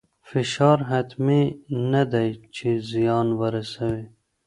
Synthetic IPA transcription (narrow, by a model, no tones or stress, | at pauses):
fɪʃɑːɾɦat̪minad̪ajt͡ʃʰezijɑːnwaɾɐsawe